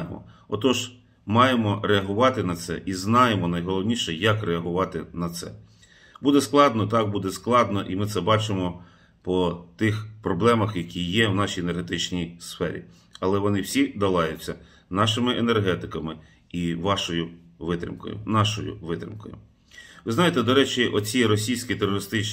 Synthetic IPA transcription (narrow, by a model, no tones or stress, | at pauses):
mɔ̰ɔt̪ɔʒ | mɑjemɔɾeɐɦʊʋɑt̪ɪnɐt̪sɛ̰ʔiznɑjemɔnɐjɦɔlˠɔwnʲiʃɛjɐkreɐɦʊʋɑt̪ɪnɐt̪sɛ̰ | bud̪ɛsklˠɑd̪nɔt̪ɑk̚bud̪ɛsklˠɑd̪nɔʔimɪt̪sɛbɑt͡ʃɪmɔ | pɔt̪ɪxpɾɔblˠɛmɐxjɐkʲʰijːɛwnɑʃʲijenerɦet̪ɪt͡ʃnʲijsfɛɾʲḭ | ɐlˠɛʋɔnɪwsʲid̪ɐlˠɑjʊt͡sʲːɐ | nɑʃɪmɪʔenerɦɛt̪ɪkɐmɪ | iʋɑʃɔjʊ | ʋɪt̪ɾʲɪ̰mkɔ̰jʊ̰nɑʃɔjʊ̰ʋɪt̪ɾʲɪ̰mkɔ̰jʊ̰ | ʋɪznɑjet̪ɛd̪ɔɾɛt͡ʃʲɪʔɔt͡sʲijɾɔsʲijsʲkʲit̪erɔɾɪst̪ɪt͡ʃ